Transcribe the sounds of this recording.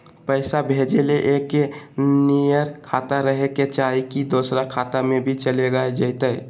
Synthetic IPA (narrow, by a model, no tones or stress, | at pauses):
pəɪsabʱed͡ʒeleʔekːenijəɾkʰat̪aɾəɦeket͡ʃaikid̪osɾakʰat̪amẽbʱit͡ʃəleɡaed͡ʒəɪt̪əj